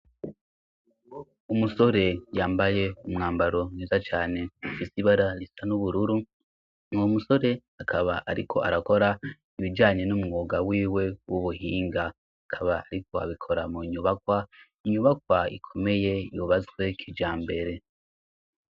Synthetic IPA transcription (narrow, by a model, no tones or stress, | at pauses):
umuso̞ɾe̞jaːmbaje̞umŋaːmbaɾo̞neːzat͡ʃaːne̞ufisiβaɾaɾisanuβuɾuɾu | omuso̞ɾe̞akʰaβaʔaɾikʰo̞̰a̰ɾako̞ɾa | iβid͡ʒaːɲe̞numŋoːɡawiːwe̞wʔuβuhiːŋɡa | akʰaβaaɾikʰo̞a̰βikʰo̞ɾamuɲuβakwa | iɲuβak̚waḭkʰo̞me̞je̞juβazwe̞kʰid͡ʒaːmbe̞ɾe̞